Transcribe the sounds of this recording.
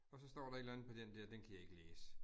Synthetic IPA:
ɒ̽sɒ̽sd̥ɔ̰ːɾɑ̈e̝d̥lænð̩ˠpʰɒ̽d̥endɛɐ̰d̥enkʰæjɑ̈e̝ɡ̥əleːsə

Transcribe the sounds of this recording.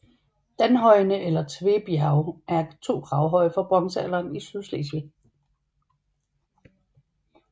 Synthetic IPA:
d̥ænɦɒ̽ɪnəʔelɐt͡sʰʋe̝b̥iɑ̈ʊæɐt͡sʰo̝̰ːɡ̥ʰʁɑ̈ʊɦɒ̽ɪ̰fɒ̽b̥ʁɒ̽ŋsəæ̰lɑːnisyðˠslḛsʋe

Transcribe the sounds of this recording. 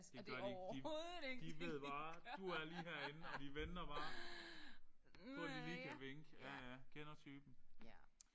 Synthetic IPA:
d̥eɡ̥ɶɐd̥i̥ioðˠɡd̥iʋe̝ð̰ˠb̥ɑ̈ːd̥uæɐliːɦæɐe̝nn̩ɒ̽d̥iʋen̥ɐb̥ɑ̈ː | bɔd̥iliːkʰæʋeŋɡ̥ækʰenɐt͡sʰyːb̥n̩

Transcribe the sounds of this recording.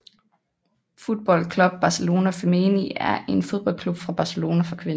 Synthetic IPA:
fuð̥̚ˠb̥ɒ̽l̰kʰlub̥̚ːɑ̈selo̝ːnæfemeːniæɐʔe̝nfo̝ð̞ˠb̥ɒ̽l̰kʰlub̥fʁɑ̈b̥ɑ̈selo̝ːnæfʁɑ̈kʰʋen

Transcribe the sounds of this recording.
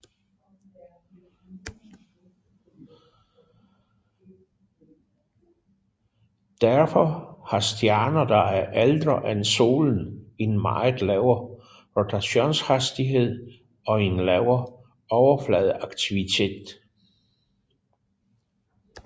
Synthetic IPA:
d̥æɐfɒ̽hɑ̈sd̥jæɐnɐd̥ɑ̈æʔæld̥ʁɐʔænso̝̰ːln̩e̝nmɑ̰̈ɪð̩ˠlɛʊɐ | ʁot͡sʰæɕo̝̰ːnshæsd̥iɦe̝ð̞̰ˠ | ɒ̽e̝nlɛʊɐ | ɒʊɐflɛð̞̩ˠɑ̈ɡ̥t͡sʰiʋit͡sʰe̝̰ːd̥

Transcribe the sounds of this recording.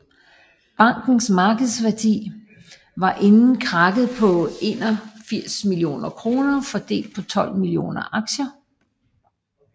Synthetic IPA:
b̥ɑ̈ŋ̰ɡ̥n̩smɑ̈ːɡ̥əð̞̩ˠsʋæɐd̥ḭː | ʋɑ̈ʔe̝nn̩kʰʁɑ̈ɡ̥ð̞̩ˠpʰɒ̽e̝̰ːnɒfiɐ̰smilio̝̰ːnɐkʰʁo̝ːnɐfɒ̽d̥e̝̰ːld̥̚pʰɒ̽t͡sʰɒ̽l̰milio̝̰ːnɐʔɑ̈ɡ̥ɕɐ

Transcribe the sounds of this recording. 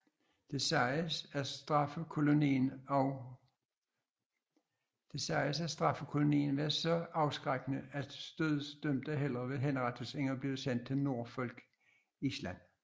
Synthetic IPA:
d̥esæsd̥ʁɑfəkʰo̝loniːnɒʊ | d̥e̝sɑɪəsæsd̥ʁɑ̈fəkʰo̝lo̝nḭːn̩ʋæɐsɒ̽ɑ̈ʊsɡ̥ʁaɡ̥nəæd̥sd̥øð̩ˠsd̥øm̰d̥æɦel̰ɐʋe̝ɦenʁɑ̈t͡sʰoseŋ̰ɐb̥lið̩ˠsæn̰d̥̚t͡sʰe̝lno̝ɐ̰fɒ̽l̰ɡ̥ | islæn̰

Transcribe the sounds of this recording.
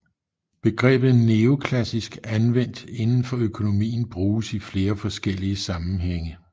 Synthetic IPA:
b̥e̝ɡ̥ʁɛ̰ːb̥ð̩ˠneo̝kʰlæsisɡ̥ænʋen̰d̥e̝nn̩fɒøkʰo̝no̝mḭːn̩b̥ʁuːsifle̝ːɐfɒ̽sɡ̥el̰iəsɑ̈mn̩ɦeŋ̰ə

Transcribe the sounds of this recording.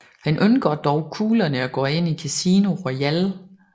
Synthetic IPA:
hænʔønɡ̥ɐd̥ɒʊkʰuːlɐnəɒɡ̥ɔ̰̽ːe̝n̰ikʰæsiːno̝ʁɔjæl

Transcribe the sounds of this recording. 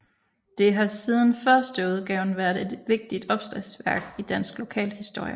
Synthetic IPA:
d̥e̝ɦɑ̈siːð̞ˠn̩fɶɐsd̥əuð̞ˠɡ̥ɛʊn̩ʋæːɐðˠe̝d̥ʋe̝ɡ̥̚d̥id̥ɒ̽b̥sd̥ʁɛsʋæɐɡ̥id̥æn̰sɡ̥lo̝kʰɛ̰ːlhisd̥o̝ɐ̰jə

